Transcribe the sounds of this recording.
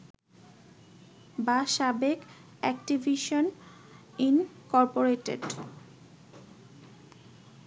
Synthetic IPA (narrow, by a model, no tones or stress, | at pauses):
baʃabek | ɛkʈivʱiʃon | inkɔɾpoɾeʈḛɖ